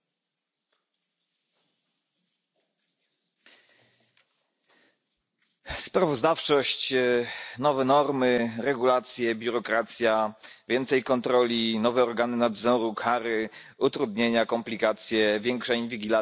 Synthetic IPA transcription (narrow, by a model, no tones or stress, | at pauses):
spɾavɔzd̪aft͡ʂɔɕt͡ɕ | nɔvɛnɔɾmɘɾɛɡulat̪sʲjɛbʲjuɾɔkɾat̪sʲjavʲjɛnt̪sɛjkɔnt̪ɾɔlʲinɔvɛɔɾɡanɘnad̪zɔɾukʰaɾɘ | ut̪ɾud̪ɲeɲakɔmplʲikat̪sʲjɛvʲjɛŋkʂɛinvʲiɡʲila